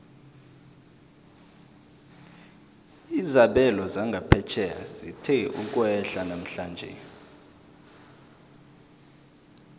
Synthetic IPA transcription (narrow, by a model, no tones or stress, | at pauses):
izaɓɛlɔzaŋɡʱapʰɛt͡ʃʰɛa̰zitʰɛuk̬ʼwɛɬanam̩ɬaːnd͡ʒʱɛ̰